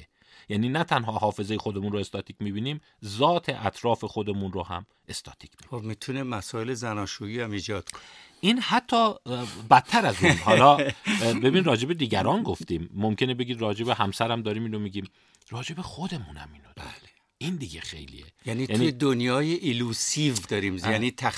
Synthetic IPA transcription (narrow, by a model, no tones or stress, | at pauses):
e | jæniːnæt̪ʰænɦɒːhɒːfe̞zejexod̪emunɾoe̞st̪ɒːt̪ʰiːcʰʲmiːbiːniːm | zɒːt̪ʰe̞ʔæt̪ʰɾɒːfe̞xo̞d̪e̞munrohæ̰m | ʔe̞st̪ʰɒ̰ːt̪ʰi̥ːkʰi̥biobmit̪ʰunemæsɒːelezænɒːʃuiːæmiːd͡ʒɒːd̪̥kʰone | iːnhæt̪ʰːɒːbæt̪ʰːæɾæzunhɒːlɒːbe̞binɾɒːd͡ʒe̞be̞d̪iːɟæɾɒːnɡoft̪iːmːomcʰenebe̞ɡiːd̪ɾɒːd͡ʒe̞be̞ɦæmsæɾæmd̪ɒːɾiːmiːnomiːɟiːm | ɾɒːd͡ʒe̞bexod̪e̞munæ̰miːnod̥̪ | ʔind̪iɡexḛjlḭḛjænijænied̪onjɒːjeʔilusivd̪ɒːɾimjæniːt̪ʰæ